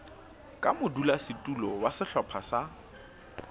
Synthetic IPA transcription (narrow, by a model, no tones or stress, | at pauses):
kʼamʊdulasɪtʼulɔwasɪɬɔpʰasa